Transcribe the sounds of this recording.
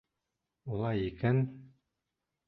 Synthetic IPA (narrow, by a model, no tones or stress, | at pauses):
ulˠɑjikæn